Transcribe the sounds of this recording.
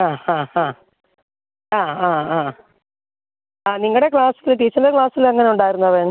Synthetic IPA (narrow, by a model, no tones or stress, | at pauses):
aːãːhãː | aːaːaː | aːniŋːɐɭɽekɭaːsilt̪iːt͡ɕːɐnlɐkɭaːsilɐŋːɐneuɳɖaːjiɾunːuɐʋeːn